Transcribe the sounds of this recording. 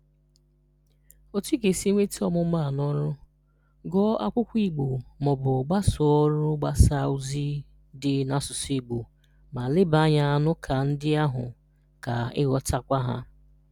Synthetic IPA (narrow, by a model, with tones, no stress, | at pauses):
o˦t͡ʃi˦ke˨si˦ŋʷe˦ti˦ɔ˦mʊ˨˦ma˦˨nɔ˦ɾʊ˦ | ɡɔ˦a˦kʷʊ˦kʷi˦ɡ͡bo˨mɔ˨bʊ˨ɡ͡ba˦sʊ˨ɔ˦ɾʊ˦ɡ͡ba˦sa˦u˦zi˦ | dɪ˨na˨sʊ˨si˦ɡ͡bo˨ | ma˨lɪ˦ba˦ɲa˦˨nʊ˦kʰa˨n̩˦dɪ˦a˦ɦʊ̰˨ | ka˨ɪ̰˦ɣɔ˦ta˦kʷa˦ɦa̰˦